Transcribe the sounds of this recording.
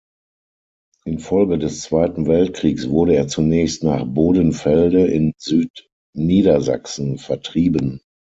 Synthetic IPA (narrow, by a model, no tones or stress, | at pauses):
ʔɪnfɔlɡədɛst͡sv̥aɪtn̩vɛlt̚kʁ̥iːksv̥ʊɐɾəeːɐt͡sunɛːçstnaːχboːdənfɛldəʔɪnzyːt | niːdɐza̰ksn̩fɛɐtʁ̥iːbən